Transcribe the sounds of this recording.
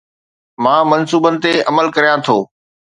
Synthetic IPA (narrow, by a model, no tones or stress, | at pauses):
mãːmɐnsuːbənɪ̆t̪eɐməlkɐɾijãt̪ʰoː